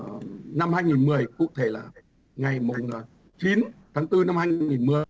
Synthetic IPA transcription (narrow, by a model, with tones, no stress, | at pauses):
na˧mhaː˧jŋi˨˩nmɨ˨˩əjkṵ˧ət̪ʰe˧˩laː˨˩ | ŋa˨˩jmʊ˨˩ŋ͡m | t͡ɕi˨˦nt̪ʰaː˨˦ŋt̪ɨ˧na˧mhaː˧jŋi˨˩nmɨ˨˩ə